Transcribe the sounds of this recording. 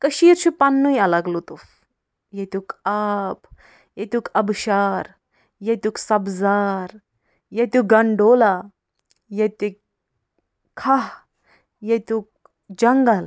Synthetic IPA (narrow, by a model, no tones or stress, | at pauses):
kɐʃiːɾt͡ʃʰupanːujɐlɐɡlut̪uf | jet̪ukap | jet̪ukɐbʃaːɾ | jet̪uksɐbzaːɾ | jet̪uɡɐɳɖoːla | jet̪ik | kʰːaɦ | jet̪uk̚ | d͡ʒɐŋɡɐl